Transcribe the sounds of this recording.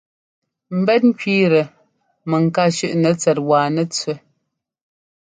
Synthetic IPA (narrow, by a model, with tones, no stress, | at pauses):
m̩˨bɛ˦t̚ŋ̩˦kɥiː˦ɾə˨ | mɛ˨ŋ̩˨ka˦˨ʃʉ˦ʔnɛ˨˦t͡sɛ˨t̚waː˨nɛ˦t͡sɥə˦